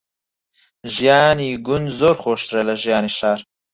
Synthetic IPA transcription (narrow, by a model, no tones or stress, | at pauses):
ʒjɑːniɡʊnzoɾxoːʃt̪ɾɐlɐʒjɑːniʃɑːɾ